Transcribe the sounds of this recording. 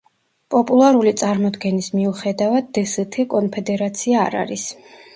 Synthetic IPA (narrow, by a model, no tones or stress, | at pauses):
pʼɔpʼulˠaɾulit̪sʼaɾmɔd̪ɡɛnismiuχɛd̪avad̪ːɛsɛt̪ʰikʼɔnpʰɛd̪ɛɾat̪sʰiaːɾa̰ɾis